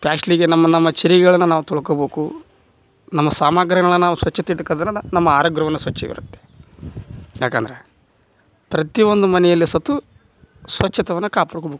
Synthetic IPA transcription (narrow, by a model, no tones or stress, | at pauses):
paːʂliɡenɐmːɐnɐmːɐt͡ʃiɾiɡɐɭɐnːunaːʋut̪ɔɭɐkɐbeːku | nɐmːɐsaːmaːɡɾɐɳɐɭɐnaːʋusʋɐt͡ʃːɐt̪ɐiʈːukɐd̪ɐnːɐnɐmːɐaːɾɐɡɾɐʋɐnːusʋɐt͡ʃːɐ̰ʋḭɾṵt̪ːe̥ | jaːkɐnd̪ɐɾe | pɾɐt̪iʋond̪umɐnɛjɐlːisɐt̪ːu | sʋɐt͡ʃːɐt̪ɐʋɐnːukaːpɐɽukɐbeːku